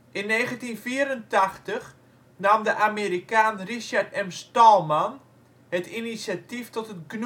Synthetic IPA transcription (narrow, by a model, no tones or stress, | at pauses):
ʔɪnːeːɣəntinfiːəɾəntaxtəx | naːmdəʔameːɾikaːnriʃartɛmstɔlˠman | hətinisatiftɔtətɡn